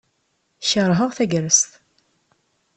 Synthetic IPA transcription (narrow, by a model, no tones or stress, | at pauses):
çəɾˤɦəʁθæɡɾəst̪